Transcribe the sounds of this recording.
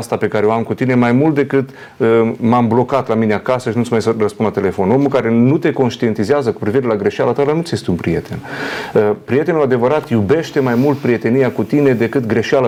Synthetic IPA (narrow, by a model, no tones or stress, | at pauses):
st̪ape̞kaɾeoamkut̪ine̞majmult̪̚d̪e̞kɨt̪ | əmamblo̞kat̪lamineakasəʃinut̪ʲmajsərəspunlat̪ele̞fo̞no̞mukaɾe̞nut̪e̞ko̞nʃt̪ie̞nt̪izeazəku̥pɾiviɾe̞laɡɾe̞ʃialat̪alanut̪sje̞st̪eunpɾije̞t̪e̞̰nəpɾije̞t̪e̞nuad̪e̞vəɾat̪jube̞ʃt̪e̞majmult̪̚pɾije̞t̪e̞nijakut̪ine̞d̪e̞kɨt̪ɡɾe̞ʃialə